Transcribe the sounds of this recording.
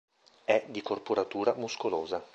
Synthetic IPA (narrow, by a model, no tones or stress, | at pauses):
ɛd̪ikorpoɾat̪uːɾamuskoloːza